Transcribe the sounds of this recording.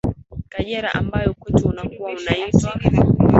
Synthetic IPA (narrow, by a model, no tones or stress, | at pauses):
kaɲɛɾaʔambajɔkutʰiunakuwaunaisa